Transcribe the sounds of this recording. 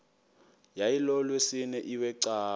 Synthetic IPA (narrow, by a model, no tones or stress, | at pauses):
jailɔlwesɪnɛʔiwɛǀaː